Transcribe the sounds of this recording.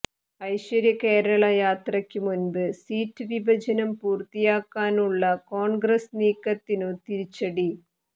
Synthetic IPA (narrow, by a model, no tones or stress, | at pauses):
ɐjɕwɐɾjɐke̞ːɾɐɭɐjaːt̪rɐkʲːɨmunbɨsiːtːɨʋibʱɐd͡ʑɐnɐmpuːrt̪ːijaːkːaːnuɭːɐko̞ːɳɡrɐsniːkːɐt̪ːinot̪iɾit͡ɕːɐɽi